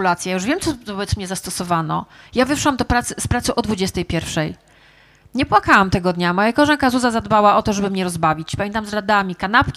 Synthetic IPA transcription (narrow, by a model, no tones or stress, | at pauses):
ulat̪sʲjajajuʐvʲɛmt̪sɔvɔbɛt̪smɲɛzast̪ɔsɔvanɔ̰javɘfʂwamd̪ɔpɾat̪sɘspɾat̪sɨʔɔd̪vud͡ʑɛst̪ɛjpʲjɛɾfʂɛj | ɲɛpwakawamt̪ɛɡɔd̪ɲamɔjakɔʐaŋkazuzazad̪bawaʔɔt̪ɔʐɛbɘmɲɛɾɔzbavʲit͡ɕpamʲɛnt̪amzɾad̪amʲikanapkʲi